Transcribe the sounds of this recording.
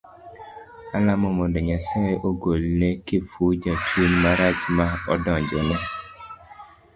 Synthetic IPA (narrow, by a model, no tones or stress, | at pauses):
alamɔmɔndɔɲasaeʔoɡolnekɪfud͡ʒat͡ʃunmaɾat͡ʃmaɔdɔɲd͡ʒɔnɛ